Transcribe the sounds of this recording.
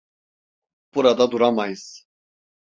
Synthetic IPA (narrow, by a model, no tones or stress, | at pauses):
b̥uɾad̪ad̪uɾamajɯz̥